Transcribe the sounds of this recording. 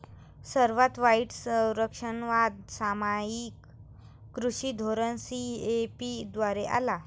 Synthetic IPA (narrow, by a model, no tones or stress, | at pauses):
səɾʋat̪ʋaiʈsəwɾəkʂənʋad̪samajikː | ɾuɕid̪ʱoɾənsiepid̪ʋaɾeʔa̰la